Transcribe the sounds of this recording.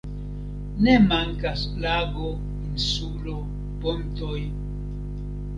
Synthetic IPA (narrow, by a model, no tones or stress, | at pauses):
nemaŋkas | laɡo | insulo | pontoj